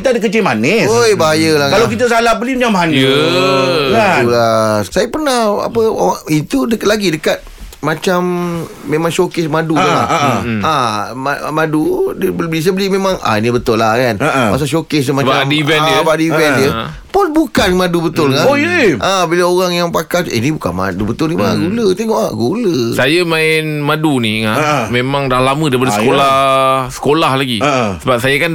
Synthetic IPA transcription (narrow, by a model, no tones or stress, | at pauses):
kit̪aadəkət͡ʃɪmanɪsojbaɦajəlakalakit̪as̬alapbəlimamaɦanjə | kaulasajapənaha̰pə̰it̪udəklaɡidəkat̪̚mat͡ʃam | mːemaŋʃokɪsmadua̰aʔaamadudbəlblis̬əbəlimemãŋa̰inibət̪ʊlakanpa̰ʔs̬aʃokes̬dəmabaaivɛndbadivɛndjə | pʊnbukanmadubət̪ʊlkaʔabilaoɾaŋjaŋpakalḭnibukanma̰dubət̪ʊlnimaɡulət̪eŋɔʔa̰ʔɡuləssajamãɪnmaduniŋamemãŋdahlamə̃daɾipadəsəkolahsə̥kolahlaɡisəbap̚sajakan